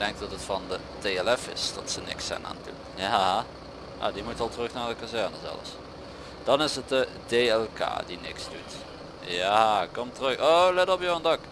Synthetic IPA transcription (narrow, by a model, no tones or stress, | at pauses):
dɛŋk̚d̥ɑtətfɑndə | teɛlɛfɪ̰sd̥ɑtsənɪ̰ksɛ̰na̰ːndṵnja | ja̰dimutɑlˠtərɵxnaːɹdəkazɛɹnəzɛ̰lə̰s | d̥ɑnɪsət̚də | deːɛlˠka̰ːdinɪksdut | jakɔmtərɵxolɛtɔpjowəndɑk